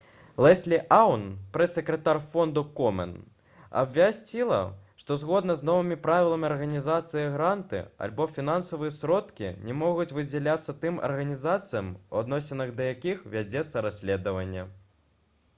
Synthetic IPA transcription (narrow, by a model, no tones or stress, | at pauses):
lˠɛsʲlʲiʔawnpɾɛsʲːɛkɾɛt̪arfɔnd̪ukɔmɛ̰n | ɐ̰bvʲasʲt͡sʲilˠɐ̰ʂt̪ɔzɣɔd̪nɐznɔvɨmʲipɾavʲilˠɐmʲiɐrɣɐnʲizat̪sɨjɐɣɾant̪ɨ̰ɐ̰lʲbɔfʲinansɐvɨjɐsɾɔt̪kʲḭnʲɛmɔɣut͡sʲvɨd͡zʲɛlʲat̪sːɐt̪ɨmɐ̰rɣɐnʲizat̪sɨjɐmuad̪nɔsʲɪnːɨɣd̪ɐjakʲixvʲad͡zʲɛt̪sːɐɾasʲlʲɛd̪ɐvɐnʲːɐ